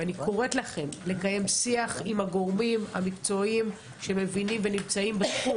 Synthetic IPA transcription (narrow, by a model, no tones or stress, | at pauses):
anikoʁe̞t̪laχe̞mle̞kaje̞msiaχimhaɡo̞ʁmimha̰mikt͡so̞im | ʃe̞me̞vinimve̞nimt͡saimbesχu